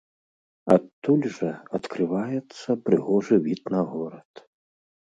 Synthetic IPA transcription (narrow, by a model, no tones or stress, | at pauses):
at̪ːulʲʐɐɐt̪kɾɨvajɛt̪sːɐpɾɨɣɔʐɨvʲit̪nɐɣɔɾɐt̪